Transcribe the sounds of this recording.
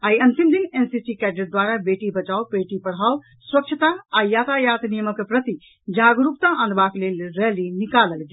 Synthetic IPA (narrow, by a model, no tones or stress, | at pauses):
aːiə̃nt̪imd̪inensisikɛɖɾeʈ̚d̪waɾabeʈibət͡ʃawpeʈipəɽ̤ɦao | swək̚t͡ʃʰət̪aːjat̪ʰajat̪nijəməkpɾət̪i | d͡ʒaɡɾupt̪aʔə̃nd̪baklelɾɛlinikaləlɡe